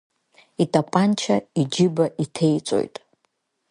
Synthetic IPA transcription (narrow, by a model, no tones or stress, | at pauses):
itʼapʼant͡ʃʰaid͡ʒɪbaʔitʰe̞jt͡sʷʼo̞̰jtʼ